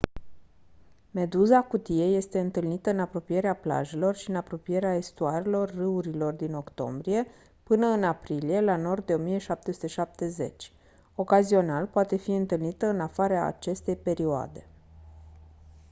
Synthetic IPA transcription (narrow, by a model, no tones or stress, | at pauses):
me̞d̪uzakut̪ije̞je̞st̪e̞ɨnt̪ɨlnit̪əɨnapɾo̞pije̞ɾeapla̰ʒe̞lo̞rʃiɨnapɾo̞pije̞ɾeae̞st̪uaɾelo̞rːɨuɾilo̞rd̪ino̞kt̪o̞̰mbɾije̞ | pɨnəɨnapɾilije̞lano̞rd̪̚d̪e̞o̞mije̞ʃap̚t̪esu̥t̪eʃap̚t̪e̞ze̞̰t͡ʃʲ | o̞kazio̞nalpoat̪e̞fiɨnt̪ɨlnit̪əɨnafaɾea̰ːt͡ʃe̞st̪e̞jpe̞ɾioa̰d̪e̞